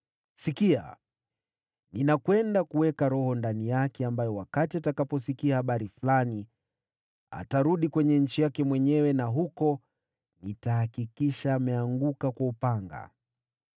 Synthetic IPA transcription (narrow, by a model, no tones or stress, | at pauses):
sikia̰ | ninakwɛndakuwɛkaɾɔhɔndanijakɛambajɔwakatiatakapɔsikiahaɓaɾiflani | a̰taɾuɗikwɛɲɛɲ̩t͡ʃijakɛmwɛɲɛwɛnaɦukɔ | nitahakikiʃaːmɛaŋɡukakwaupaŋɡa̰